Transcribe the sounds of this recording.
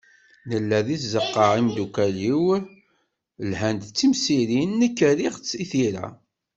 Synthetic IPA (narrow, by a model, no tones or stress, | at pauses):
nəlːæðiθzəqːəʕimd̪ukæliw | lhænd̪t͡sːimsiɾinːəkːəɾiʁt͡sːiθiɾæ̰